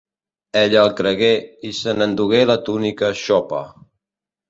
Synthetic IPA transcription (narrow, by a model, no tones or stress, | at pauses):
eʎəlˠkɾəɣeisənənd̪uɣ̞elət̪unikəʃɔpə̰